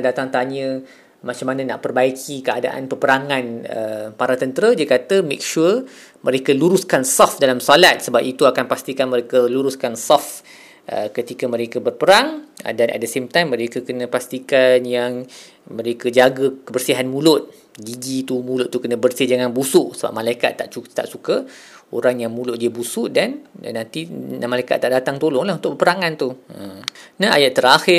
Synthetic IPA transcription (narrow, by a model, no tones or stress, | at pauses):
dat̪aŋt̪aɲə̃ | mat͡ʃamanə̃na̰ʔpərbaikʰikəada̰ʔa̰npərpəɾaŋãnə̰paɾat̪ənt̪əɾadiəkat̪əmḛk̚ʃu | mʔə̃ɾekəluɾuskansɔfdalamsalat̪̚səbapit̪uakanpast̪ikanmə̃ɾekəluɾuskansɔf | ʔə̰kət̪ikəmə̃ɾekəbərpəɾaŋ̰danʔa̰t̪̚dəsemt̪ajmːə̃ɾekakənə̃past̪ikanjaŋ | mə̃ɾekəd͡ʒaɡəkəbərsiɦanmũlʊt̪̚ | ɡid͡ʒit̪umulʊtʔ̪̚t̪ːukənə̃bərsid͡ʒaŋanbusʊʔsəba̰p̚mãlaika̰t̪ːa̰ʔut̪a̰ʔsuka | oɾaŋjaŋmũlʊʔ̪̚diəbusʊʔdannãnt̪inamalajka̰t̪ːaʔdat̪aŋt̪olɔŋlahunt̪ʊkbəpəɾaŋãnt̪u | naa̰jaʔt̪ːəɾaxɪ